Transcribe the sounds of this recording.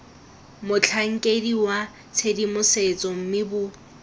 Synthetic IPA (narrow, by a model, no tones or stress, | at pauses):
mʊt͡ɬʰaŋ̩kʼediwa | t͡sʰedimʊset͡sʼɔm̩mɪbʊ